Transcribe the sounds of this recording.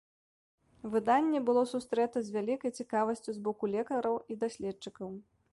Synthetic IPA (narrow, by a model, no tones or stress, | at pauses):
vɨd̪anʲːɛbɨlˠɔsust̪ɾɛt̪ɐzʲvʲalʲikɐjt͡sʲikavɐsʲt͡sʲuzbɔkulʲɛkɐɾɐwid̪asʲlʲɛtt͡ʂɨkɐw